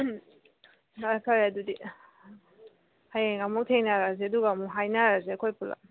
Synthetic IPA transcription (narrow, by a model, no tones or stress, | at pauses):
akʰaɾadudi | hajeŋamɔk̚tʰeŋnaɾazeɐduɡamuɦajnaɾazeɐkʰojpula̰